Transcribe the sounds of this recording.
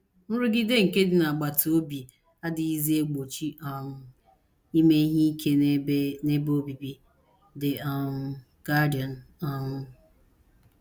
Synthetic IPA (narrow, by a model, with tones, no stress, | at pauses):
m̩˦ɾʊ˦ɡɪ˦de˦ŋ̩˨ke˦dɪ˨na˨ɡ͡ba˨tʰo˦bi˨ | a˦dɪ˨i˦zi˦e˦ɡ͡bo˨t͡ʃi˦ʔɔ˨ŋʊ˦ | i˦me˦ɦi˦i˦kʰe˦ne˦bo˦bi˨bi˦ | dɪ˨a˨ŋ˦ | ɡ̥a˦dɪ˨ɔ˨n̩˨ | ɔ˦ŋʊ˦